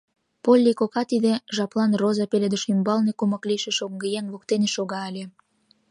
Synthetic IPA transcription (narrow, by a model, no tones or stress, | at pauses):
polʲːikokɑt̪id̪ĕʒɑplˠɑnrozɑpelʲed̪əʃymbɑlnekumə̆kliʃeʃoŋɡejeŋβokt̪eneʃoɣɑəlʲe